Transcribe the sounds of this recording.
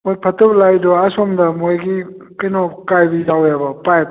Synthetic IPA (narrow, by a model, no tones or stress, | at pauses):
mojpʰɐtɔplajdɔasɔmdɐmojɡi | kɐjnɔkajbizawjabɐpajp